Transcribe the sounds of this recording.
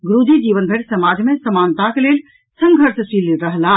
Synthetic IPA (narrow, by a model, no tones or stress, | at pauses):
ɡɾuːd̪ʱid͡ʒiːʋənbʱeʈsɐmaːd͡ʒmẽsəmaːnt̪ãkeleːl | sə̃ŋɡʱəɾsəsiliɾəɦlaː